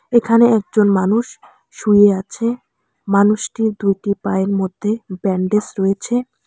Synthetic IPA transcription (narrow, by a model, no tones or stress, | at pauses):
ekʰaneɛk̚d͡ʑonmanuʃ | ʃujeat͡ɕʰe | manuʃʈiɾd̪ujʈipaeɾmod̪ʱːebɛɳɖesɾɔjet͡ɕʰe